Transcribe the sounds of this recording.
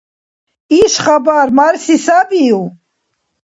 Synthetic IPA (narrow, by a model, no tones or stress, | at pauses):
iʃχabaɾmaɾsisabiu